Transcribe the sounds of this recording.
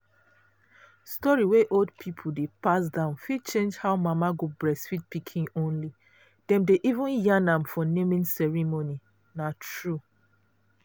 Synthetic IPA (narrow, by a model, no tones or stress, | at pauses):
stɔɹiweʔoldpʰipʰudepas̬dãʊ̃nfit͡ʃẽnd͡ʒhaʊmamaɡobɹɛsfit̚pikʰĩŋõnli | d̥ɛ̃mdeʔivũnjãnãmfɔnemĩnsɛɹimoni | natɹu